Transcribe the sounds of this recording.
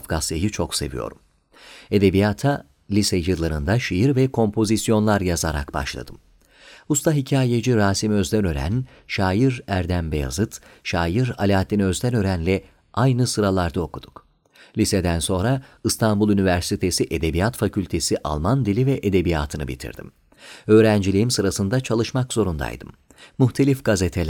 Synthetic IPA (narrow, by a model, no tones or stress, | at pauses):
fɡast̪ajɯt͡ʃʰo̞kse̞̰vḭjo̞̰ɾum | e̞d̪e̞bijat̪ʰa | lʲisɛjɯlˠaɾɯnd̪aʃijiɾvɛkʰo̞mpʰo̞zisjo̞nlˠaɾjazaɾa̰kba̰ʃlˠa̰d̪ɯm | ust̪ʰaɦicʰaːjed͡ʒiɾaːsimø̞zd̪ænø̞ɾæ̰n | ʃaːjiɾæɾd̪ænbeja̰zɯt̪ʃaːjiɾalʲaːt̪ʰːiniø̞zd̪ɛnø̞ɾænlʲɛ | ʔajnɯsɯɾalˠaɾd̪ao̞kud̪̥u̥k | lʲised̪ænso̞nɾaɯst̪ʰanbulˠynivæɾsit̪ʰe̞siʔed̪e̞bijat̪facylʲt̪ʰe̞siʔa̰lˠmand̪ilʲivɛʔed̪e̞bija̰ːt̪ʰɯnɯ̰bḭt̪ʰḭɾd̪̥ḭm | ø̞ːɾænd͡ʒilʲijimsɯɾasɯnd̪at͡ʃʰalˠɯʃmakz̥o̞ɾund̪a̰jd̪ɯ̰mː | uxt̪ʰe̞lʲifɡ̥azet̪ʰelʲæ